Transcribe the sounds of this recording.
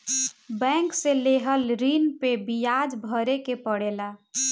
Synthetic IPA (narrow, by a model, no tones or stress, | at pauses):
bɛ̃ŋkseleɦəlɾinpebijad͡ʒbʱəɾekepəɽela